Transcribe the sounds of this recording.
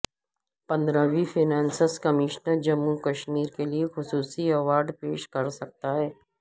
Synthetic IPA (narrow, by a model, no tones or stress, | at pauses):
pɐ̃nd̪ɾaʋifʰɪnɛ̃ːnsəskɐmɪʃnəɾd͡ʒɐmːukɐʃmiːɾkeliexʊsuːsiɛʋaːɾɖpeːʃkɐɾsɐk̚t̪aɦɛː